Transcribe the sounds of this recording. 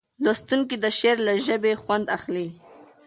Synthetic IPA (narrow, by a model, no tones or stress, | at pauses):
lost̪uŋk̬id̪əʃeɾlaʒəbexwand̪axli